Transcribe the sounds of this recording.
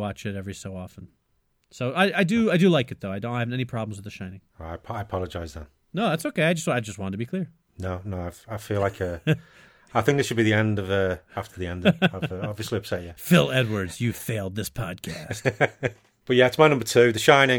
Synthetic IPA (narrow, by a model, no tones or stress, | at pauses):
wɑt͡ʃɨɾɛvɹisoʊɔfə̃n̩ | soʊaɪʔaɪdɨaɪdɨlˠaɪkɨt̪̚ðoʊaɪdõñhavn̩tɛñipʰɹ̥ɑblˠm̩zwəðəʃãɪ̃nɪ̃ŋaɪpʰaɪəpʰɑlˠəd͡ʒaɪzðə̰̃n | noʊðætsoʊkeɪaɪd͡ʒʌstaɪd͡ʒʌst̚wɑ̃ntʰəbikʰl̥ɪɹ | noʊnoʊaɪv̥aɪfilaɪkʰə | aɪθɪ̃ŋk̚ðɪsʃəd̚biðiɛ̃ndʌvʌaftʰə˞ðiɛ̃ndaɪvɑbviəsliaɪv̥sɛʔjæfɪlˠɛd̚wə˞dzjɨfeɪlˠd̪̚ðɪspʰɑd̚kʰæst | b̥ʌt̚jæɪtsmaɪnʌ̃mbə˞tʰʉðɨʃãɪ̃nɪ̃